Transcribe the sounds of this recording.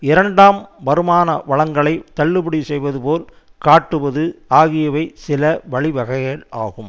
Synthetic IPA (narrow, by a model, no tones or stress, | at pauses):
ɪɾɐɳɖaːmʋɐɾɯmaːnɐ̰ʋɐɭɐŋɡɐɭɐɪt̪ɐɭːɯpɯɽisɛjʋɐðɯpoːl | kaːʈːɯʋɐðɯaːɣɪjɐʋɐɪsɪlɐʋɐɭɪʋɐɣɐɪɣɐɭa̰ːɣɯm